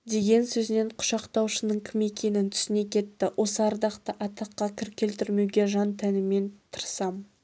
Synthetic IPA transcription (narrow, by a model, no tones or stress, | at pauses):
d̪e̞ɡʲe̞nsɵzɪne̞ɴqʰʊ̥ʃɑqt̪ɑwʃənəɴkʲʰɪme̞kʲe̞nɪnt̪ʰʏ̥sɪne̞kʲʰe̞t̪ːɪwʔo̞səɑɾd̪ɑqt̪əʔɑt̪ɑqːɑkʲʰɪɾkʲʰe̞lt̪ɪɾme̞wɡʲe̞ʒɑnt̪ʰænɪme̞nt̪ʰəɾsɑm